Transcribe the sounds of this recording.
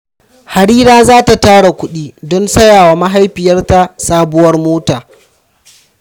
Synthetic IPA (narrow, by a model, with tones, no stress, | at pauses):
ha˨ɽiː˦ɾaː˦zaː˦ta˨taː˦ɽa˨kʷʊ˦ɗiː˦dɔ˦nsɐ˦jaː˨waː˨ma˦ɦa˦jɸɪ˨jɐ˦rta˦saː˦bʊ˦wɐ˦rmoː˦taː˨